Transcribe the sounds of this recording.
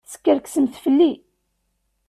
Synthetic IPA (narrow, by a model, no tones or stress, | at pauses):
sə̥kːəɾksəmθfəlːi